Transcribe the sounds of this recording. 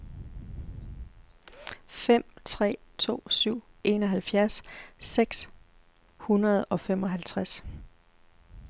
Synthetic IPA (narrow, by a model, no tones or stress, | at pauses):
fem̰t͡sʰʁɛ̰ːt͡sʰo̝̰ːsyʊ̰e̝nɒ̽ɦælfjæɐsːeɡ̥s | hunɐð̞ˠɒ̽fem̰ɒ̽ɦælt͡sʰʁas